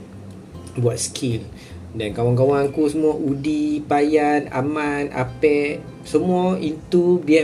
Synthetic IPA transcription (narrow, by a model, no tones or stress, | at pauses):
buat̪̚skʰil | dankawaŋk̬awaŋkusəmũaʔudipajana̰mãna̰pɛʔ | səmuaint̪ubiɛ